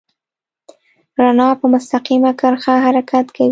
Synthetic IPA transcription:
ɾanɑpəmʊst̪aqimakəɾxaɦaɾakat̪kʰawi

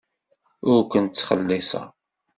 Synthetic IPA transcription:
ʊɾkʷənt͡sːχə̰lːisɑ̰

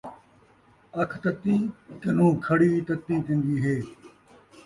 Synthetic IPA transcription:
ɐkʰt̪ɐt̪ːĩːkɐnũːkʰɐɽiːt̪ɐt̪ːĩːt̪ʰĩnd̪iːɦeː

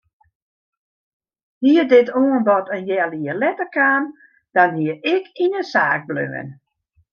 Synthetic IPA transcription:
hiədɪtoənbɔtənjɛliəlɛtəkan | d̥anɦiəɪkʰinəsaːɡ̚blø̰ːə̰n

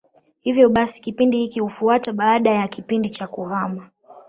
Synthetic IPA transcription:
hivjɔɓasi̥kipindihikihufuataɓaːɗajakipindit͡ʃakuɣama

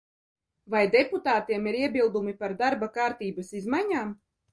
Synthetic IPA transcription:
vajd̪eput̪aːt̪iɛmiɾiɛbilˠd̪umipaɾd̪aɾbakaːɾt̪iːbasizmaɲaːm

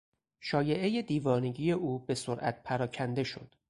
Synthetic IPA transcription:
ʃɒːje̞ʔe̞jed̪iːvɒːneɟiːje̞ʔuːbe̞soɾʔæ̰t̪̚pʰæɾɒːcʰænd̪e̞ʃo̞̰d̪̥

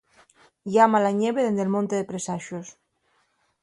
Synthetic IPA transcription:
jamalaɲeβeðend̪elmõnt̪eðepɾesaʃos

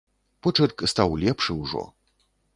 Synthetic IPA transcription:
pɔt͡ʂɛrkst̪awlʲɛpʂɨwʐɔ̰

